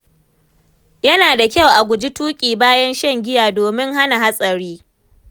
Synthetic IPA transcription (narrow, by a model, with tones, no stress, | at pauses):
jɐ˦naː˨da˨kʲɐ˦˨wʔa˨ɡʷʊ˨d͡ʒi˦tuː˦kʲʼiː˨baː˦jɐ˦nʃɐ˦˨ŋɡʲɪ˦jaː˨doː˨mɪ˦ŋɦa˦na˨ɦa˦sʼɐ˨ɾiː˦